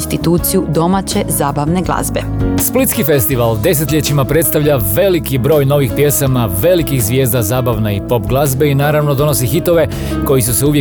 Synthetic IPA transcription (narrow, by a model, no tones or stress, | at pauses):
st̪it̪uːt̪sijud̪o̞mat͡ɕezaːbaʋneɡlˠa̰zbḛsplit̪skife̞st̪iʋald̪e̞s̬e̞t̪ʎet͡ɕimapɾe̞t̪st̪aʋʎaʋe̞likibɾo̞ːjno̞ʋixpje̞samaʋe̞likixzʋje̞ːzd̪azaːbaʋneipo̞pɡlˠazbe̞inaːɾaʋno̞d̪o̞no̞s̬ixit̪o̞ʋe̞ | ko̞jisuseuʋje